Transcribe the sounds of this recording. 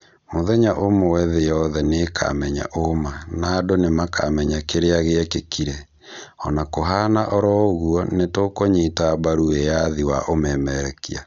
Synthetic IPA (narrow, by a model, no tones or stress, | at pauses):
moðɛɲaʔomowɛðejɔðɛnekʰa̰mɛɲa̰ʔomanaːdonemaka̰mɛɲakeɾeaɣeɛkekiɾɛ | ɔnakoɦanaʔɔɾɔoɣuɔnetokoɲetabaɾuejaðiwaʔomɛmɛɾɛkia̰